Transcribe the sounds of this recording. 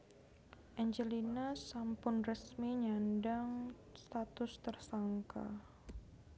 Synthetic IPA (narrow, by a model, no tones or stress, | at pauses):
ʔɛɲd͡ʒəlinasampʊnrəsmiɲandaŋ | st̪at̪ʊst̪ərsaŋka̰